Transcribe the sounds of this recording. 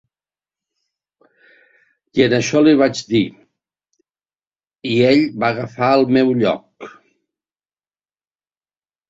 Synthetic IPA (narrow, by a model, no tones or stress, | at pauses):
iənəʃɔliβ̞ad͡ʒd̪i | ieʎbaɣəfaəlˠmɛwʎɔ̰k̚